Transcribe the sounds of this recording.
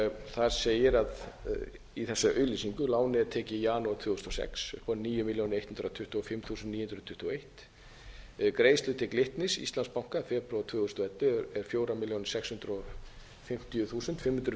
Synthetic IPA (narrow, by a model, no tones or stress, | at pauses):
θaðseːjɪɾað | iθɛsːaʔœɥlisiŋkʏlaːwnɪt̪ʰɛːcɪjaːnuat̪ʰvʏːɣʏst̪ɔsɛ̰ksʏkʰvɔnniːjʏmiljownɪejt̪hʏnɾat̪ʰʏht̪ʏɔfɪmθuːsʏnt̪niːhʏnd̪ɾðt̪ʰʏ̥ht̪ɪɔejht̪ | kɾeːjst̪lʏt̪ɪklɪht̪nɪsḭst̪lanspawŋ̥kafɛːpɾɔt̪ʰvʏːɣʏst̪ɔɛt̪ːʏɛɾ̥fjoːwɾamiljownsɛkshʏnt̪ɾɔ | fɪm̥t̪ɪjʏθuːsʏnt̪fɪmhʏnd̪ɾʏ